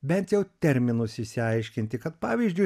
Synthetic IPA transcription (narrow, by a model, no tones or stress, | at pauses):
bʲɛnʲt̪jɛʊt̪ʲɛɾʲmʲɪnʊsɪsʲɪɐɪʃʲkʲɪnʲt̪ʲɪkɐt̪pɑːʋʲiːzʲd͡ʒʲʊɪ